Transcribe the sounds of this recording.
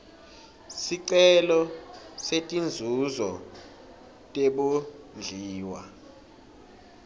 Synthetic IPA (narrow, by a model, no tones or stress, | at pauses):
siǀɛlɔsetʼind͡zʱuzɔ | tʼeɓu | nd͡ɮʱiːwa̰